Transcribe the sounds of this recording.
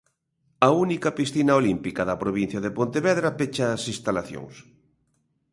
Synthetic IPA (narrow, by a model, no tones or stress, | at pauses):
ɐunikɐpisθinaolimpikɐðɐpɾoβin̟θjɐðepont̪eβɛðɾɐpet͡ʃaːsĩst̪alaθjo̰ŋs